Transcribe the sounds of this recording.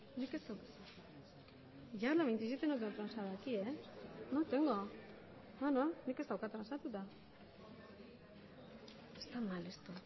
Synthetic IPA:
nikest̪awka | ʝalamejnt͡sis̬it̪enut̪̬et̪ɾansaðakienot̪eŋɡo | nononikest̪awkat̪ɾansat̪ut̪a | est̪amalest̪u

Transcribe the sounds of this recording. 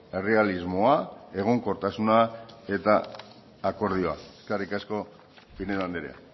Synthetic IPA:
e̞re̞alizmo̞ae̞ɣ̞oŋko̞ɾt̪asunae̞t̪aː | ko̞ɾð̞io̞a̰eskarikasko̞ | pineðand̪eɾea̰

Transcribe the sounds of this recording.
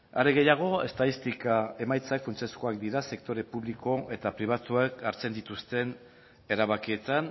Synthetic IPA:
a̰ɾeɣe̞jaɣ̞o̞est̪aðist̪ikae̞majt͡sakfunt͡se̞sko̞ak̚d̪iɾase̞k̚t̪o̞ɾe̞puβliko̞ʔe̞t̪apɾiβ̞at̪uakaɾt͡se̞nd̪it̪ust̪e̞n | e̞ɾaβakie̞t̪an

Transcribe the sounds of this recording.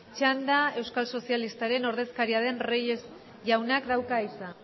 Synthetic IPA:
t͡ʃand̪ae̞wskalso̞sialist̪aɾe̞no̞ɾðe̞skaɾiað̞e̞nrejez | ʝawnakd̪awkaisa

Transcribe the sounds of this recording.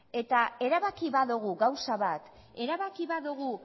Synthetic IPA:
e̞t̪ae̞ɾaβakiβaðuɣ̞uɣawsaβat̪ | e̞ɾaβakiβaðuɣ̞u

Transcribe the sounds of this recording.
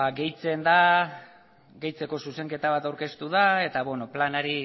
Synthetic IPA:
aɡe̞jt͡se̞nd̪a | ɡe̞jt͡se̞ko̞suse̞ŋke̞t̪aβ̞at̪awɾke̞st̪uð̞ae̞t̪aβeno̞planaɾi

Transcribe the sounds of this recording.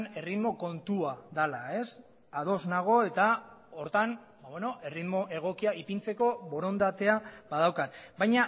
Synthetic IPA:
ne̞riðmo̞ko̞nt̪uaðalae̞s | að̞o̞znaɣ̞o̞e̞t̪ao̞ɾt̪an | baβeno̞ʔe̞riðmo̞ʔe̞ɣ̞o̞kiaʔipint͡se̞ko̞βo̞ɾo̞nd̪at̪e̞abað̞awkat̪bajɲa

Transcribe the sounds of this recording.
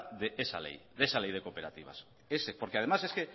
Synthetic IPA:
ðeʔesa̰lḛjðesalejð̞ekopeɾat̪iβ̞a̰s | esepoɾkeað̞emaseske

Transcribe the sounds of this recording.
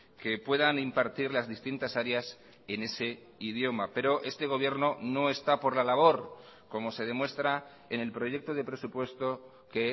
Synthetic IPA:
ke̞pwe̞ðanimpaɾt̪iɾlazðist̪int̪asaɾeas | ene̞se̞ | iðjo̞mape̞ɾo̞ʔe̞st̪e̞ɣ̞o̞βje̞ɾno̞no̞e̞st̪apo̞ɾlalaβ̞o̞ɾko̞mo̞se̞ð̞e̞mwe̞st̪ɾa | ene̞lpɾo̞ʝe̞k̚t̪o̞ðe̞pɾe̞supwe̞st̪o̞ | ke̞

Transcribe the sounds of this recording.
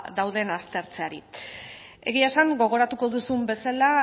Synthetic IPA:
ðawð̞e̞nast̪e̞ɾt͡seaɾi | e̞̰ɣ̞iasaŋɡo̞ɣ̞o̞ɾat̪uko̞ðusumbe̞sala

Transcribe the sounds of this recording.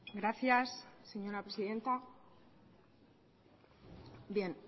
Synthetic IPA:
ɡɾaθjasːe̞ɲo̞ɾapɾe̞siðe̞nt̪a | bje̞n

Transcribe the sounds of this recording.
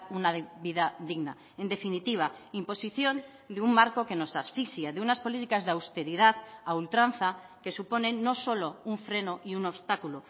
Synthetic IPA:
unaβiðaðiɣna | e̞nd̪e̞finit̪iβ̞aimpo̞siθjo̞n | d̪eumːaɾko̞ke̞no̞sasfisjaðeunaspo̞lit̪ikazðeawst̪e̞ɾið̞aðault̪ɾanθake̞supo̞nẽ̞nːo̞so̞lo̞uɱfɾe̞no̞ʔiuno̞βst̪akulo

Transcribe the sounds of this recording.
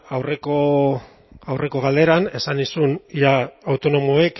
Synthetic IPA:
awre̞ko | awre̞ko̞ɣald̪e̞ɾane̞sanisunjaawt̪o̞no̞moek

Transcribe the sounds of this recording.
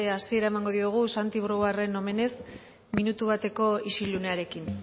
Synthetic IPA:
asie̞ɾaemaŋɡo̞ðiuɣ̞usant̪iβ̞ɾoɣare̞no̞me̞ne̞s | minut̪uβ̞at̪e̞ko̞isilune̞aɾe̞kin

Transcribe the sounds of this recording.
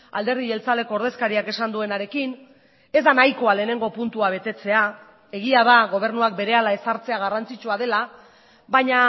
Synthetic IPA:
a̰ld̪e̞ɾðie̞lt͡salde̞ko̞ːɾð̞e̞skaɾiake̞sand̪ue̞naɾe̞kin | e̞zd̪anajko̞ale̞ːne̞ŋɡo̞punt̪uaβ̞e̞t̪e̞t͡se̞a | e̞ɣ̞iað̞aɣo̞β̞e̞ɾnuak̚be̞ɾe̞alae̞saɾt͡se̞aɣ̞arant͡sit͡ʃuaðe̞la | βaɲa

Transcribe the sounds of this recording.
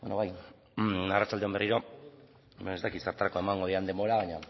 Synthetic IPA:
benoβaj | arat͡ʃald̪e̞o̞mberiɾo̞ | meest̪akit̪saɾt̪aɾako̞e̞maŋɡo̞ð̞iand̪e̞mbo̞ɾaβaɲa

